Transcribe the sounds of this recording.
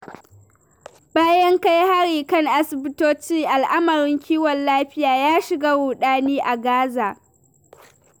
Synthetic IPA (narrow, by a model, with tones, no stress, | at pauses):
baː˦jɐ˦ŋka˦jha˦ɽiː˨kɐ˦ŋʔa˦sɪ˨bɪ˦toː˦t͡ʃiː˦ʔa˨lʔa˦mɐ˨ɾɪ˦ŋkʲiː˦wɔ˨nlaː˦ɸɪ˦jaː˨jaː˦ʃɪ˨ɡaː˦wʊː˨ɗaː˦niː˦ʔa˨ɡaː˦zaː˨